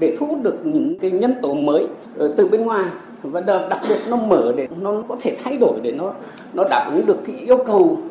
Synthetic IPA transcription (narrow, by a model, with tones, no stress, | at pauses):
ɗe˧˩t̪ʰṵ˧˥t̚ɗɨ˨˩ək̚ɲɨ̰˧˥ŋkaː˨˦jɲə˧nt̪o˨˦məː˨˦j | t̪ɨ˨˩ɓe˧nŋwaː˨˩j | vaː˨˩ɗɗa˨˩k̚ɓi˨˩ət̚nɔ˨˦məː˧˩ɗe˧˩nɔ˨˦kɔ˨˦t̪ʰe˧˩t̪ʰa˧jɗo˧˩jɗe˧˩nɔ˨˦ | nɔ˨˦ɗaː˧˩ʔɨ˨˦ŋɗɨ˨˩əkːaː˨˦ʔi˧əwkə˨˩w